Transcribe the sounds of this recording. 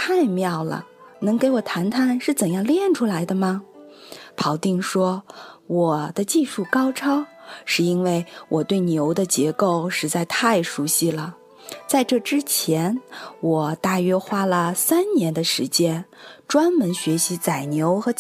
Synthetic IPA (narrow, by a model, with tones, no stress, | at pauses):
a˥˧ɪmjɑ˥˩ʊlə̰˩nɤ˧˥ŋke˧˥ɪwɔ˨˩t̪ʰa˧˥nt̪ʰa˥˩nʂɻ̩˥˩t͡sə˨˩njɑ˥˧ŋljɛ˥˩nʈ͡ʂʰu˥la˧˥ɪd̪ə˧mɐ˩ | pʰɑ˧˩ʊt̪i˥˩ŋʂwɔ˥wɔ˨˩d̪̥ə˦t͡ɕi˥˧ʂu˥˩kɑ˥ʊʈ͡ʂʰɑ˥ʊʂɻ̩˥˩˧i˥nwe˥˩ɪwʔɔ˨˩t̪we˥˩ɪnjo˧˥ʊd̪ə˧t͡ɕjɛ˧˥ko˥˩ʊʂɻ̩˧˥t͡sa˥˧ɪt̪ʰa˥˩ɪʂu˧˥ɕi˥˩lə˩ | t͡sa˥˧ɪʈ͡ʂɤ˥˩ʈ͡ʂɻ̩˥t͡ɕʰjɛ˧˥nwɔ˨˩t̪a˥˩ɥɛ˥xwa˥lə˨sa˥nnjɛ˧˥nd̪ə˧ʂɻ̩˧˥t͡ɕjɛ˥nʈ͡ʂwa˥nmə˧˥nɕɥɛ˧˥ɕi˧˥t͡sa˨˩ɪnjo˧˥ʊxɤ˧˥